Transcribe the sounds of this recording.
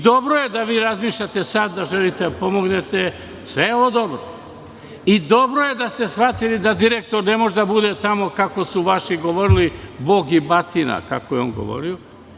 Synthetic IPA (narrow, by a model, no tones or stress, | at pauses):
d̪o̞bɾoje̞d̪aʋiːɾazmiːʃʎat̪e̞sad̪ːaʒelit̪ed̪apo̞mo̞ɡne̞t̪e | sʋejeo̞ʋod̪o̞bɾo | id̪o̞bɾo̞je̞d̪ast̪e̞sxat̪ilid̪ad̪iɾek̚t̪oɾne̞moʒed̪abud̪e̞t̪amo̞kako̞suʋaʃiɡo̞ʋo̞ɾilibo̞ːɡibat̪ina̰ka̰kojeo̞ːnɡo̰ʋo̞̰ɾio